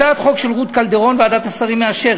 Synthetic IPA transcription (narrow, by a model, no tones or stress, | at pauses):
at̪χo̞kʃe̞lʁut̪kald̪e̞ʁo̞nvead̪at̪asaʁimeaʃe̞ʁ